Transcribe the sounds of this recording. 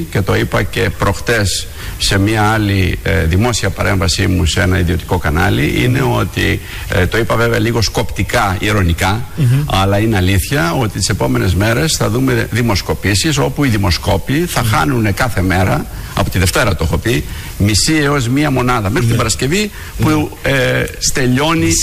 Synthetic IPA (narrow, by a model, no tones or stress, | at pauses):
ce̞t̪o̞ipɐce̞pɾo̞xt̪e̞sː | e̞miɐɐliðimo̞siɐpɐɾe̞ɱvɐsimusee̞nɐiðio̞t̪i̥ko̞kɐnɐ̰liʔḭne̞o̞t̪ḭ | t̪o̞ipɐve̞veɐliɣo̞sko̞pt̪ikɐiɾo̞nikɐɐlɐineɐliθçɐo̞t̪ist̪i̥se̞po̞me̞ne̞zme̞ɾe̞sθɐðume̞ðimo̞sko̞pisis̬o̞puiðimo̞sko̞piθɐxɐnune̞kɐθe̞me̞ɾɐɐ̰po̞t̪iðe̞ft̪e̞ɾɐt̪oexo̞pi | misieo̞zmiɐmo̞nɐðɐme̞xɾit̪ibɐɾɐsce̞vi | puest̪e̞ʎo̞ni